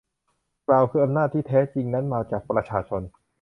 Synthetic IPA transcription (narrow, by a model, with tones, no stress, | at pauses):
klaː˧wkʰɯː˧ʔa˧mnaː˥˩t̪ʰːiː˥˩t̪ʰɛː˦˥t͡ɕi˧ŋna˦˥nmaː˧t͡ɕaː˨˩k̚pɾa˧t͡ɕʰaː˧t͡ɕʰo˧n